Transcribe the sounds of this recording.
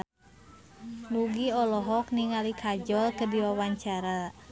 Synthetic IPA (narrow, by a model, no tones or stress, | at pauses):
nuɡiɔlɔɦɔk̚niŋalikʰad͡ʒɔlkədiwawaɲt͡ʃaɾa